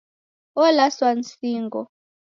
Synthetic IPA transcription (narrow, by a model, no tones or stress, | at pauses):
ɔlaswan̩siːŋɡɔ